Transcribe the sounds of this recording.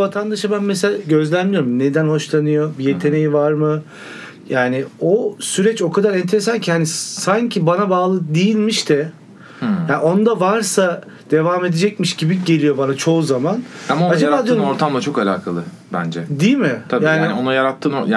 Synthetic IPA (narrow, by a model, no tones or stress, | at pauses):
vat̪ʰand̪aʃabænmes̬elaɟø̞zlʲænmʲijoɾumne̞d̪ænho̞ʃlˠanɯjo̞bije̞t̪ʰe̞ne̞jivaɾmɯ | jaːnɪosyɾɛt͡ʃo̞kʰad̪aɾɛnt̪ʰe̞ɾesancʰiɦanisancʰibanabaːlˠɯd̪ijilʲmiʃt̪ʰɛ | jaːo̞nd̪avaɾsa | d̪̥e̞vaːme̞d̪ed͡ʒɛc̚miʃɟibiɟe̞lʲijo̞banat͡ʃʰo̞uzamanamaoad͡ʒabaːd̪ijooɾt̪ʰamlˠat͡ʃʰo̞kalʲa̰ːkʰalˠɯ | bæ̰nd͡ʒɛd̪ijmɪt̪ʰabjaːnionajaɾat̪ʰːɯːnoj